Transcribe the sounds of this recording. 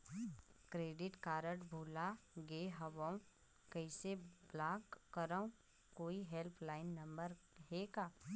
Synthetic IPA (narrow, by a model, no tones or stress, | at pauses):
kɾeːɖɪʈkaːɾəʈbʱuːlaɡeːɦəʋəũ | kɛɪseblaːɡəɾəũ | koːiɦelpʰlaːɪnːɐ̃mbəɾɦeːkaː